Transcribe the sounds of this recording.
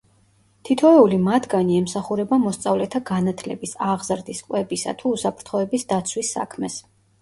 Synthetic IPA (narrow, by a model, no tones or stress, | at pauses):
t̪ʰit̪ʰɔɛulimat̪ʰɡaniɛmsaχuɾɛbamɔst̪sʼavlɛt̪ʰaɡanat̪ʰlɛbisaʁzɾd̪iskʼwɛbisa̰t̪ʰuːsapʰɾt̪ʰχɔɛbisd̪at̪sʰwisːa̰kʰmɛs